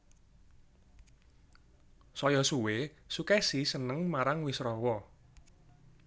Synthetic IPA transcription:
sɔjɔsuwesukɛsisənəŋmaɾaŋwisɾɔwɔ

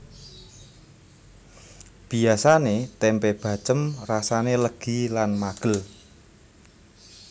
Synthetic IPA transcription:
b̥i̤asanet̪ɛmpɛb̥ä̤t͡ʃəmrasaneləɡ̥i̤lanmaɡ̥ə̤l

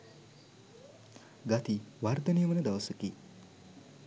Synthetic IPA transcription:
ɡat̪iʋard̪ɐnijəmənəd̪ɐʋɐsuki

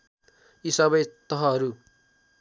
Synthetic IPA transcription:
isʌbʌjt̪ʌɦʌɦʌɾu

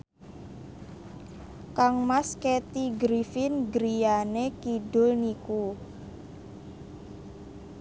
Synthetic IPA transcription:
kaŋmasket̪iɡɾifɪnɡɾijanekidɖʊlniku

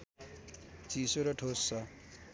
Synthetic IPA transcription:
t͡sisoɾʌʈʰosːʌ

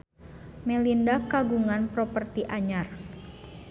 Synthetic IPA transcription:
melindakaɡuŋanpɾɔpərt̪iʔaɲar

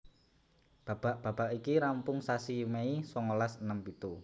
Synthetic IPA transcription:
b̥ä̤b̥a̤ʔb̥ä̤b̥aʔikiɾampʊŋsasimeisɔŋolasənəmpit̪u

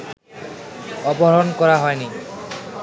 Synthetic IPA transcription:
ɔboɦɾonkɔɾaɦɔeni

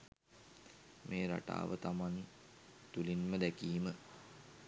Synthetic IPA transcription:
meːɾa̰ʈa̰ːʋət̪amani | t̪ulinməd̪ækiːmə

